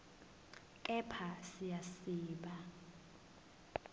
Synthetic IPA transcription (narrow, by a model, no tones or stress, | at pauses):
kʼɛpʰasijasiːɓa